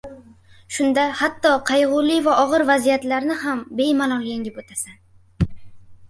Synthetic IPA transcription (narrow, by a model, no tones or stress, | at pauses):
ʃʊnd̪ahat̪ːɒqʰɑjʁʊlɪvaʔɒʁɨɾvazijat̪laɾnɪhambe̞jmalˠɒŋjeŋɡʲɪpot̪ʰasan